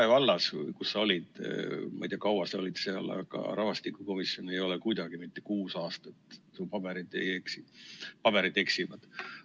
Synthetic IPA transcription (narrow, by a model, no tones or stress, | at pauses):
evɑlːɑsvɯ̰jkusːɑo̞lʲid̪̥mɑ̰jd̪t̪jɑkɑwɑseo̞lid̪̥seɑlɑ̰ɡ̥ɑ̰ɾʔɑvɑst̪ikˑuko̞misjo̞ne̞jo̞lɛkujd̪ɑɡ̥imit̪ːe̞̥kuːsɑːst̪ɑet̪ˑsupɑb̥eɾid̪eeksipɑb̥e̞ɾid̪e̞ksivɑd̪̥